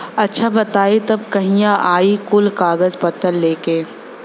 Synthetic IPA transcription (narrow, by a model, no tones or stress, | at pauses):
ɐtːʃʰabɐt̪aːet̪ɐb̚kɐɦĩjãʔaːikʊlkaːɡəzpɐt̪əlːeːkeː